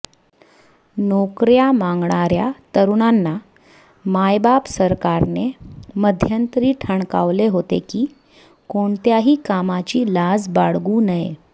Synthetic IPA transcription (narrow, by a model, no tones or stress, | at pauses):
nokɾjamãŋɡɳaɾjat̪əɾuɳanːa | majbapsəɾkaɾneməd̪ʱjənt̪ɾiːʈʰəɳka̰ʋleɦot̪ḛkiː | koɳt̪jaɦiːkamat͡ɕiːlad͡zbaɽɡuːnəje